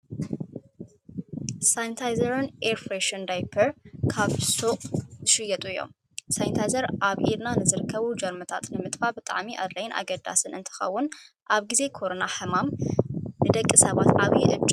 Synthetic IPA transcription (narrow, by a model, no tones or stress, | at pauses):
sajnt̪ʰajzɐɾɨnʔeɾfɾeʃɐnd̪ajpʰɐɾkʰaβsoʔzɨʃɨjːɐt̪ʼuɨjːo̰m | sajnt̪ʰajzɐɾʔaβʔiɾnanɨzɨɾɨkʰːɐβud͡ʒɐɾmɐt̪ʰat̪nɨmɨt̪ʼfabɨt̪ʼa̰ʕmiʔa̰lːajnʔa̰ɡɐd̪a̰sɨnʔɨnt̪ʰɨ̥xɐ̰wːʊn | ʔaβɡize̞kʰo̞ɾo̞naħɐmamnɨd̪ɐkʼːisɐβat̪ʔaβjɛʔɨ̰d͡ʒʼ